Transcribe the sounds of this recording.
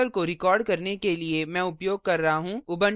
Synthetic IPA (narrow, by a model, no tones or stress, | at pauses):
əlkoɾɪkɔːɾɖkɐɾnekeliemɛ̃ːʊpjoːɡ̚kɐɾːɐɦaɦũːʊbən